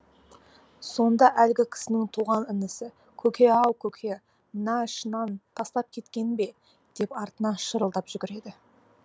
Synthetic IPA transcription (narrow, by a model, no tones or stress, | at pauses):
so̞nd̪ɑʔælɡʲɪkʲʰɪ̥sɪnɪŋt̪ʰuʁɑnɪnɪsɪ | kʲʰɵkʲʰe̞ɑwkʲʰɵkʲʰe̞ | nɑʃənɑnt̪ʰɑst̪ɑp̚kʲʰe̞t̪kʲe̞nbe̞ | d̪̥e̞pɑɾt̪ənɑʃəɾəlˠd̪ɑpʒʏɡʲɪɾe̞d̪ɪ